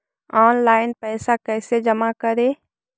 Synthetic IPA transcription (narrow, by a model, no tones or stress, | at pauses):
ɔːnlaːɪnpɛːsakɛːsed͡ʒəmakəɾeː